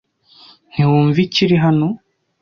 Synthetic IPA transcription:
n̥iwuːɱviciɾiɦano̞

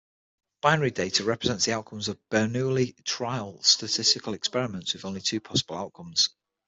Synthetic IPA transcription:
b̥aɪnəɹideɪtʰəɹɛpɹɪzɛ̃ntsðiaʊʔkʰə̃mzəvb̥ɜːnʉːlɪtʰɹ̥aɪəlˠstətʰɪstɪkʰəlɛkspɛɹɪmə̃ntswɪðõʊ̃nlɪtʰʉːpʰɒsəb̥əlaʊʔkʰʊ̃mz̥

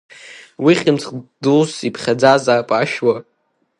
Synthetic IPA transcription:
wiχʲʼɪmt͡sʰʼχdɨlsipʰχʲad͡zazapʼaʃwa

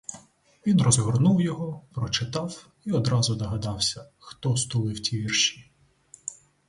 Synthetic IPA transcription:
ʋʲinrɔzɦɔrnuwjɔɦɔpɾɔt͡ʃɪt̪ɑw | iɔd̪ɾɑzʊd̪ɐɦɐd̪ɑwsʲɐ | xt̪ɔst̪ʊlˠɪwtʲiʋʲirʃi̥

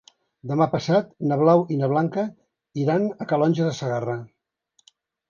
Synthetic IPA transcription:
d̪əmapəsat̪nəβ̞lawinəβ̞laŋkə | iɾanəkəlɔnʲʒəðəsəɣarə

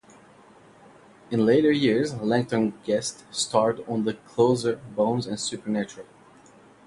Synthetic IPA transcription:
ɨ̃nleɪɾə˞jɪɹzlɪ̃ŋk̚tə̃nɡɛststʰɑɹdn̩ðəkʰl̥oʊzə˞bõʊ̃nzɨ̃nsʉpə˞næt͡ʃəɹəl̩ˠ

